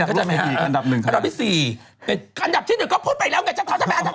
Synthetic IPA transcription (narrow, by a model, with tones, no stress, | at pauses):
kɔ˥˩t͡ɕːaː˧jma˦˧˦nda˨˩p̚nɯ˨˩ŋkʰa˨˧da˨˩iː˦˥˩siː˨˩ | e˧ʔa˧nda˨˩p̚t͡ɕ̚ʰːnɯ˨˩ŋkɔː˥˩pʰuː˥˩t̪̚pa˧jlɛː˦˥wŋa˧˥jt͡ɕa˧˥˩kʰa˨˦˥t̪ʰa˧ma˦ʔd̪a˨˧˩